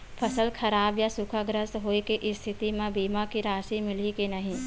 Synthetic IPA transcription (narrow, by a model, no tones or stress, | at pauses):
pʰəsəlkʰɐɾaːbjasʊkʰaɡɾəsɦoːekeʔɪst̪ʰɪt̪imẽbiːmakiɾaːʃimɪlikenɐɦĩ